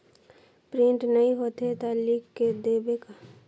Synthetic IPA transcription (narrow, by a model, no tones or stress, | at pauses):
pɾɪ̃ɳʈnəĩɦot̪et̪alikkːed̪eːbeka